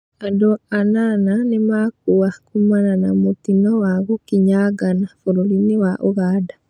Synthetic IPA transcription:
adoanananemak̚uwakumananamotinowaɣukiɲaɡanafuɾolinewaʔuɣaːda

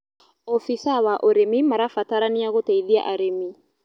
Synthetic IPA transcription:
ɔfisawaʔoɾemimaɾafataɾaniaɣotɛiðia̰ʔaɾemi

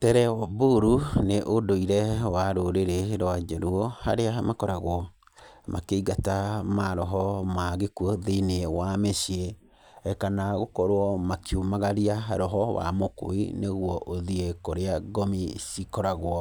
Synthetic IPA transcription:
tɛɾɛɔbuɾuneʔodoiɾɛwaɾoɾeɾeɾwad͡ʒɛɾuɔhaɾeamakɔɾaɣwɔ | mʔakeiɣatamaɾɔɦɔmaɣekuɔðenewameʃieː | kanaɣokɔɾwɔmakjomaɣaɾiaɦa̰ɾɔɦɔwa̰moko̰ḭneɣwɔʔoðiekoɾeaɡɔmisikɔɾaɣwɔ

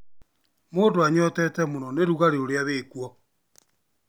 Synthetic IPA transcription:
moːndoaɲɔtɛtɛmonɔneɾuɣaɾeoɾeaβeːkwɔ

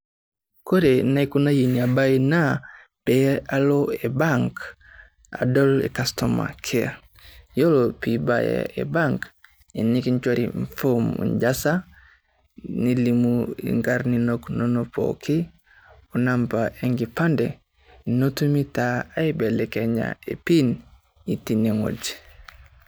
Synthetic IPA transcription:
koɾenaikunajiɲiabaina | pɛaloebaŋk | a̰dɔlḛkastoma̰kʰɛa̰ | jolopiba̰ja̰ḛbaŋk | inikiɲt͡ʃwoɾḭɱfomṵɲd͡ʒasa | nilimuḭŋɡaɾninoknonopo̰kʰi | onampaʔeŋɡipande | notumitaaibɛlekeɲa̰epin | itiniŋo̰d͡ʒ

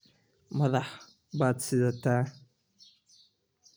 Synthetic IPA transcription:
maðaħ | bat͡sidata

